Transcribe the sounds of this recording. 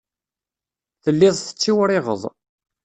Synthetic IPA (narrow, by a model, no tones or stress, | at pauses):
θəlːɪðˤθə̥t͡sːiwɾɪʁə̰ðˤ